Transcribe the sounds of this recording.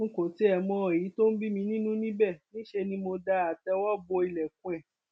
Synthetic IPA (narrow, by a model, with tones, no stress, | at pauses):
ŋ̩˦˨ko˨ti˨˦ɛ˦˨mɔ̃˧˨ji˨˦to˦n̩˦bi˦mĩ˧nĩ˦nũ˦nĩ˦bɛ˦˨nĩ˨˦ʃe˧nĩ˧˦mo˧da˧a˨tɛ˧wɔ˦˨bo˧˦i˧˨lɛ˨k̚ũ˧ɛ˨